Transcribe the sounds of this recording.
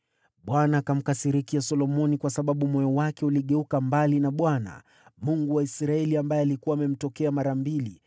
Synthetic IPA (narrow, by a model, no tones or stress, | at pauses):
ɓwanaːkam̩kasiɾikiasɔlɔmɔnikwasaɓaɓumɔjɔwakɛuliɠɛukambalinaɓwana̰ | muŋɡuwaisɾaɛliambajɛalikuwaːmɛm̩tɔkɛamaɾambili